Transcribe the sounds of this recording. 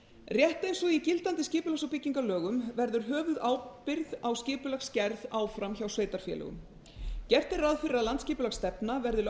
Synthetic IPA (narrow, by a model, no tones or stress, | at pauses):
rjɛht̪ejnsɔicɪlt̪ant̪ɪscɪːpʏlaxsawpɪcːiŋkalœːɣʏmvɛɾðʏɾ̥ɦœːvʏðaːwpɪɾðawscɪːpʏlaxscɛɾðaːwfɾamçawsveːjt̪aɾ̥fjɛ̰lɛ̰ɣʏ̰m | cɛr̥t̪ɪraðfɪɾɪɾaðlant̪scɪːpʏlaxst̪ɛpnavɛɾðʏɾ